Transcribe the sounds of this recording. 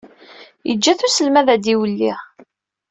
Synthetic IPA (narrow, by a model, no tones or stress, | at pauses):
jə̰d͡ʒːæθusəlmæðæd̪iwəlːiʁ